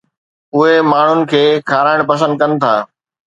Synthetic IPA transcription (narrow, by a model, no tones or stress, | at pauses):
ʊɦemaːɳ̤ʊnɪ̆kʰeːkʰaːɾaːɪɽ̃pɐs̬ə̃nd̪̚kɐnɪ̆t̪ʰaː